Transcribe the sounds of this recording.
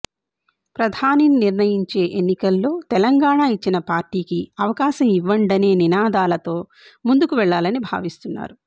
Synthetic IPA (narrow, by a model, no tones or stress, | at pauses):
pɾɐd̪ʱaːnininiɾnɐjiɲt͡ʃe̞ːʔenːikɐlːo̞ːt̪ɛlɐŋɡaːɳaːit͡ʃːinɐpaːɾʈiːkiɐʋɐkaːʃɐmiʋːɐɳɖɐne̞ːninaːd̪aːlɐt̪o̞ː | mund̪ukuʋɛɭːaːlɐnibʱa̰ːʋist̪unːa̰ːɾu